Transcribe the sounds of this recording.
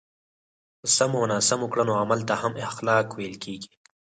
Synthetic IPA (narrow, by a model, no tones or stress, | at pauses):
sɐmonaːsɐmukɽanoːamɐlt̪ahɐmɪxlɑːkweːlkeːɡi̥